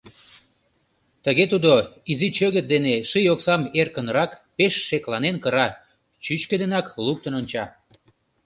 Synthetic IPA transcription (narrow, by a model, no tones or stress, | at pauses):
t̪əɣet̪ud̪oizit͡ɕøɣət̪̚d̪eneʃijoksɑmerkənrɑkpeʃːeklɑnenkəɾɑ | t͡ɕyt͡ɕked̪enɑkluk̚t̪ənonʲt͡ɕɑ